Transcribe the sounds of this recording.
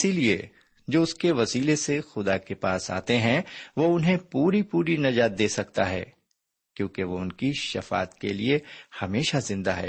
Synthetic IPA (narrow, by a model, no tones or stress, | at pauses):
ɪsiliḛ | d͡ʒoːʊskeʋɐsiːlesexʊd̪akepaːsa̰ːt̪eɦɛ̃ʋoʊnɦẽpuːɾipuːɾinɐd͡ʒaːt̪̚d̪eːsɐk̚t̪aɦɛ̰ː | kjõːkeʋoʊnkiʃɐfa̰ːt̪keliehɐmeːʃazɪ̃nd̪aɦɛ̰ː